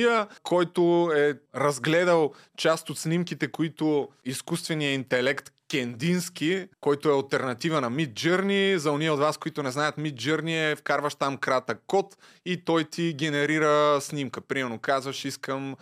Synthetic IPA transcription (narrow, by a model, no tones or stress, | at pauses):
əkʰɔjt̪ʊɛɾɐzɡlɛd̪əlˠ | t͡ʃast̪ot̪snimkit̪ɛkoit̪ʊiskust̪vɛnijəint̪ɛlɛkt̪kʲɛnd̪inskʲikɔjt̪ʊɛɐlˠt̪ɛɾnɐt̪ivənɐmit̪̚d͡ʒɤɾnʲizɐʊniɛod̪vaskoit̪onɛznajət̪mit̪̚d͡ʒɤɾniɛfkaɾvəʃt̪amkɾat̪əkːɔt̪ | it̪ɔjt̪iɡʲɛnɛɾiɾəsnimkəpɾimɛɾnokazvɐʃiskəm